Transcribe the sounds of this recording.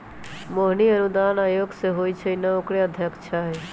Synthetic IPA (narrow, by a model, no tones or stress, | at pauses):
moɦniənud̪aːnaːjoːɡseɦoːit͡ʃʰeinəokɽeəd̪ʱjəkt͡ʃʰaɦɛ